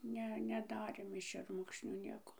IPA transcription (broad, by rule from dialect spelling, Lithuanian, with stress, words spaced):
ˈnʲɛ nʲɛˈdɑːrʲeːm ɪʃ ʃʲɛrˈmʊkʃʲnʲuː ˈnʲiɛkoː